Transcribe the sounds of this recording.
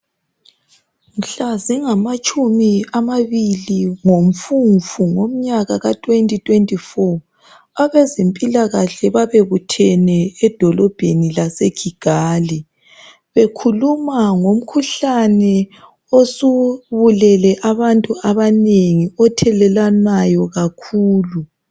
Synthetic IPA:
m̩ɬaziŋamat͡ʃʼumiamaβiliŋom̩fuɱvuŋom̩ɲaɣaɣatʰʼwentʼitʰʼwentʼifɔ | aβezempʼilaɣaɬɛβaβeɣutʰɛnɛːd̥ʱɔlɔb̥ʱenilaseɡ̥ʱiɡ̥ʱaːli | βekʰulumaŋom̩kʰuɬanɛ | osuβulɛlɛʔaβantʼuaβaneŋiɔtʰɛlɛlanajɔɣakʰuːlu

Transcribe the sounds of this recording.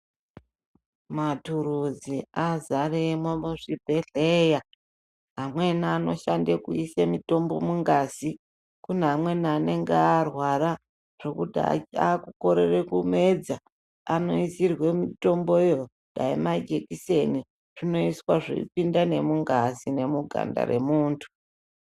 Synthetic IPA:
matuɾud͡ziazaremwomuʐibʱeɮeja | ɦamwe̞naːno̞̰ʃandekṵisemito̞mbo̞muŋɡaːsi | kuneamwe̞nane̞ŋɡearwaɾa | ʐ̥okuda̰kuko̞ɾe̞rekume̞d͡za | ano̞isirwe̞mito̞mbojo̞ | ɗaimad͡ʒe̞kise̞ni | ʐ̥ino̞iswaʐḭḭpindane̞muŋɡasine̞muɡʱa̰nda̰ɾe̞̰muːntʰu̥

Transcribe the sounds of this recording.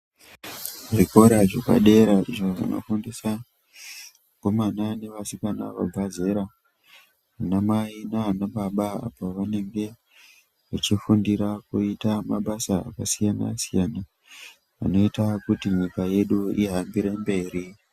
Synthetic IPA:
ʐiko̞ɾaʐoka̰ɗe̞ɾaiʐo̞ʐḭno̞̰fundisa | ko̞manane̞ʋasikana̰ʋa̰ɡʱaze̞ɾa | anamainaanaɓaɓaa̰paʋane̞ŋɡe̞ | ʋut͡ʃifundiɾakuitamaɓasa̰ːkasijana̰sijana | ʋa̰no̞itakutiɲikaje̞ɗuiɦambiɾembe̞ːɾi

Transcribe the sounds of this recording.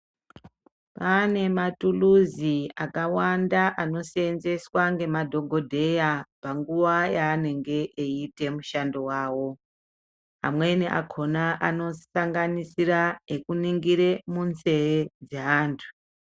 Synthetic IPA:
pane̞matuluziakawandaʔano̞senze̞swaŋɡe̞madʱo̞ɡʱo̞dʱe̞japaŋɡuʋajaːne̞ŋɡe̞ʔeite̞muʃando̞waːwo̞ | a̰mwe̞niʔa̰kʰo̞naʔano̞saŋɡanisiraekuniŋɡiɾemunze̞jed͡zeɦaːntʰu̥

